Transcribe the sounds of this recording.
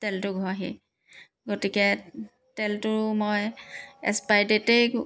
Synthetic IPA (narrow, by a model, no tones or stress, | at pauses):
tɛltʊɡʱɔaɦi | ɡotikɛ | tɛltʊmojɛ̰spajdetej